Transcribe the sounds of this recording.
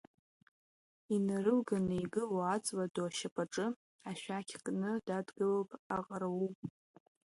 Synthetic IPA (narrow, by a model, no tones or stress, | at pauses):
inarɨlɡanɨiɡɨloat͡sʼwadoaʃapʼaʈ͡ʂʼɨ | aʃʷᶣakʲʰkʼnɨdadɡɨlopʼaqʼaɾawupʼ